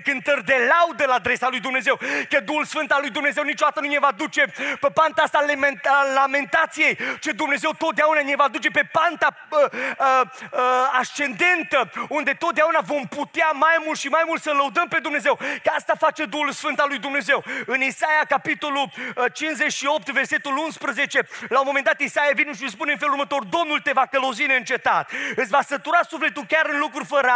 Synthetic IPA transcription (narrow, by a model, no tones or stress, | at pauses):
kɨnt̪ərʲd̪e̞lawd̪əlaːd̪ɾe̞salujd̪umne̞ze̞wkəd̪uhulsfɨnt̪alːujd̪umne̞ze̞wnit͡ʃod̪at̪ənunevad̪ut͡ʃe̞pepant̪aast̪almlame̞nt̪at̪sije̞jt͡ʃed̪umne̞ze̞wt̪o̞t̪̚d̪eaunanevad̪ut͡ʃe̞pe̞pant̪a | əəast͡ʃe̞nd̪e̞nt̪əund̪e̞t̪ot̪d̪eaunavo̞mput̪eamajmult̪ʃimajmult̪sələwd̪əmpe̞d̪umne̞zewkəast̪afat͡ʃe̞d̪uhulusfɨnt̪alːujd̪umne̞ze̞wɨnisajakapit̪o̞lut͡ʃinszet͡ʃʃio̞p̚t̪verse̞t̪ulunspɾəze̞t͡ʃe̞lawmomend̪at̪isajavineʃis̬puneɨnfeluɾrmət̪o̞rd̪o̞mnult̪e̞vakələwzineɨnt͡ʃe̞t̪at̪ɨt̪sʲvasət̪uɾasufle̞t̪ulkʲaɾɨnlukɾurʲfəɾa